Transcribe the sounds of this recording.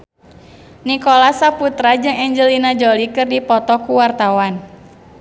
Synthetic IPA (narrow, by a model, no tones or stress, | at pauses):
nikɔlasaput̪ɾad͡ʒɨŋɛɲd͡ʒəlinad͡ʒɔlikɨrdipɔt̪ɔkuwart̪awan